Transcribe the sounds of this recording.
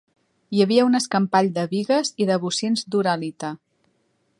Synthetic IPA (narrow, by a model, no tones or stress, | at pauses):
jəβiəunəskəmpaʎd̪əβiɣəziðəβusenzd̪uɾalit̪ə